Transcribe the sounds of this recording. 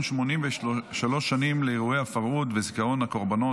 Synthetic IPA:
nʃmo̞nimveʃalo̞ʃːanimleeʁuejhafaʁʔut̪vezikaʁo̞nhako̞ʁbano

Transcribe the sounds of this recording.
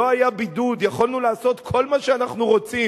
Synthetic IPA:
oajabid̪ud̪jaχolnulaːso̞t̪kʰo̞lmaʃeanaχnuʁo̞t͡si

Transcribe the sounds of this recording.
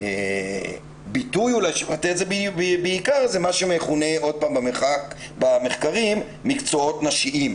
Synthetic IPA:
e | bitujulajʃlat̪etzebbeikaʁzemaʃemeχuneo̞d̪̚paːmbameχak | bame̞χkaʁimːikt͡so̞o̞t̪naʃiʔim

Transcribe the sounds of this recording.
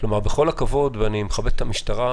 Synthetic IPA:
klomaʁbeχo̞lakavo̞d̪veanimeχabet̪e̥t̪amiʃtaʁa

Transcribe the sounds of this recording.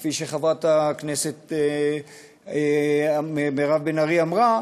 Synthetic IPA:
fiʃeχavat̪akneset̪ | memeʁavbenaʁiamʁa

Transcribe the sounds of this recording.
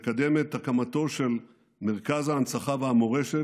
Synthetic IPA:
kad̪e̞met̪ːakamat̪o̞ʃe̞l | meʁkazaːnsaχaveamoʁeʃe

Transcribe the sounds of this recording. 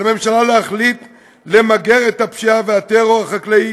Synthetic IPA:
ame̞mʃalaleaχlit̪ | le̞maɡe̞ʁethapʃiaveat̪eʁo̞ʁhaχaklei

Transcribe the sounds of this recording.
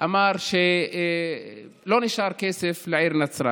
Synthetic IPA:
ʔamɑːɾˤʃe | loːnɪʃɑːɾˤkeːsɪflɪʕiːɾnasɾˤɑ̰

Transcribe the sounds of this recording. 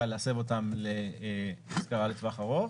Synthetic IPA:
alease̞vo̞tamlemaskaʁaletvaχaʁo̞

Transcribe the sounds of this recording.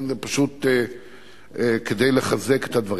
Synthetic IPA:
nzepaʃut̪e | ked̪ejleχazeket̪had̪vaʁ

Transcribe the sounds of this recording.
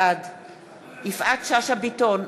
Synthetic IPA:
ad | ifʔatʃaʃabiton

